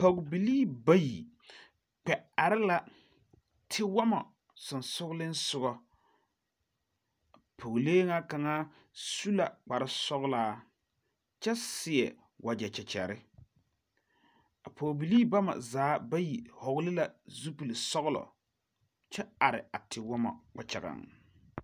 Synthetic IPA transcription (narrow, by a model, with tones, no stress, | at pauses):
po˨ɡbi˨liː˦ba˦jḭ˨ | k͡pɛ˨a˨ɾɪ˦la˨ | tʰɪ˦wa˦ma̰˨ | sʊ˨nsʊ˦ɡlɪ˦n̩˦sʊ˦ɣɔ˨ | pʰo˨ɡleː˦ŋa˦ka˨ŋa˦ | su˦la̰˨k͡pa˨ɾɪ˦sɔ˦ɣlaː˦ | t͡ʃɛ˦sɪ˨ɛ˨ | wʔa˨d͡ʒɛ˨t͡ʃɛ˨t͡ʃɛ̰˨ɾɪ˦ | a˨pʰoː˨bi˨liː˦ba˦ma̰˨zaː˨˦ba˦ji˨hɔ˨ɣʊ˦lɪ˦la˨zu˦pi˨li˨sɔ˦ɣʊ˦lɔ̰˨ | t͡ʃɛ˦a˨ɾɪ̰˨a˨tʰɪ˨wɔ˦ma̰˨k͡pa˨t͡ʃa̰˨ɣa̰˨ŋ